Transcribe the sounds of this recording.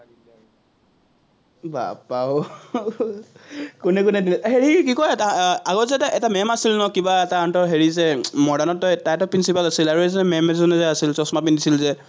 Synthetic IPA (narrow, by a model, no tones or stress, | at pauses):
ba̰pa | kunɛkʊnɛdinɛɦeɹikikɔjɛtaaɡɔzɛtaʔɛtamɛmasilnɔkibaɛtaɔntɔɹɦeɹizɛmɔdanɔtːɔjtajtɔpɹinsipalasilaɹuɛzɔɛmɛmɛzɔnɛzɛasilsɔsɔmapindisilzɛ